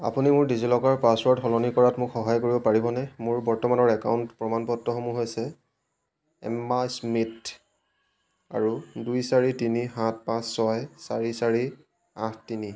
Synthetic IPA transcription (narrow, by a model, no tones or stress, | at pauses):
a̰punimʊɹdizilɔkaɹpaswɔɹtxɔlɔnikɔɹatmʊkxɔɦajkoɹibɔpaɹibɔnɛmʊɹbɔɹtɔmanɔɹɛkawntpɹɔmanpɔtːɔxɔmuɦojsɛ | ɛ̰mːasmit | a̰ɹudujsaɹitinixãt̚ʰpãsːɔjsaɹisaɹi | ãtʰtini